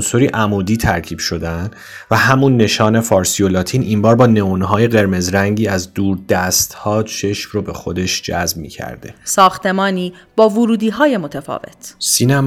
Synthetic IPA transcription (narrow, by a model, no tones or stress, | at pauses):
nsoɾiːʔæmuːd̪iːt̪ʰæɾcʰiːb̥ʃo̞d̪ænd̪ | væhæmunːe̞ʃɒːne̞fɒːɾsijolɒːt̪ʰiːnimbɒːɾbɒːne̞onɦɒːje̞ɣe̞ɾme̞zɾæŋɟiːæzd̪uːɾd̪æst̪hɒːt͡ʃʰe̞ʃmrobe̞xo̞d̪e̞ʃd͡ʒæ̰zb̚mḭːcʰæ̰ɾd̪e̞̰sɒːxt̪e̞mɒːniː | b̥ɒːvuɾuːd̪iːɦɒːjemot̪ʰefɒ̰ːvḛt̪ʰsiːnæm